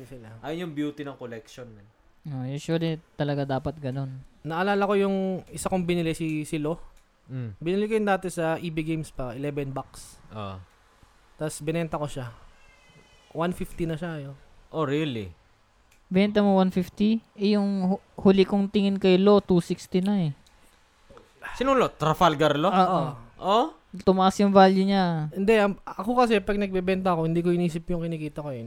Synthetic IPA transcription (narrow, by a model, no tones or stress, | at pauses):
sɪlaʔajonjʊŋbjuːt̪inɐŋkolɛkʃonːɐ | ʔojuːswɐlit̪ɐlɐɡad̪aːpɐt̪̚ɡɐno̞nnɐʔɐlaːlɐko̞jʊŋɪsakoŋbɪnɪlɪsɪsɪlo | bɪnɪlikɐjʊnd̪aːt̪ɛsɐʔiːbɪɡejmspɐɪlɛbɛnbak̚sʔo | t̪ɐsbɪnɛnt̪ɐko̞ʃa | wanfift̪inɐʃakɐjo | ʔoɾilḭ | bɛnt̪̬ɐmowanfift̪iʔɛjʊŋh | hulɪkoŋt̪ɪŋɪnkɐjlo̞t̪uːsikst̪ɪnɐɛ | sɪnuːlot̪ːɾɐfalɡɐɾloʔoːʔoʔo | t̪ʊmɐʔasjʊŋvaːljʊɲahɪnd̪ɛʔɐɐkokɐs̬ɛpɐɡ̚nɐɡ̚bɛbɛnt̪ɐɐko̞hɪnd̪iːkoɪniːsɪpjʊŋkɪniːkiːt̪ɐkojon